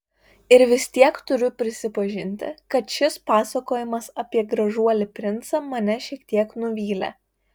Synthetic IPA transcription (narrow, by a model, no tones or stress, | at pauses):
ɪɾʋʲɪst̪ʲiɛkt̪ʊɾʲʊpʲɾʲɪsʲɪpɐʒʲɪnʲt̪ʲɪ̰kɐt̪ʃʲɪspɑːsɐkoːjɪmɐsɐpʲiɛɡɾɐʒuɔlʲɪpʲɾʲɪnt̪sɐmɐnʲɛʃʲiɛkt̪ʲiɛknʊʋʲiːlʲɛ̰